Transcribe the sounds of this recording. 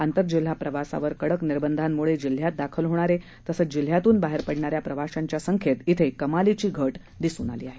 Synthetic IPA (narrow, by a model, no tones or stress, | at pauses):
ant̪əɾd͡ʑil̤ːapɾəʋasa̰ʋəɾkəɽəkniɾbənd̪ʱamːuɭed͡ʑil̤ːjat̪̚d̪akʰəlɦoɽ̃aɾe | t̪əsəd͡ʑil̤jat̪uːnbaɦeɾpəɽɳaɾjapɾəʋaɕaɲt͡ɕjasəŋkʰjet̪it̪ʰekəmalit͡ɕiːɡʱəʈ | d̪isṵːna̰lḭːaɦe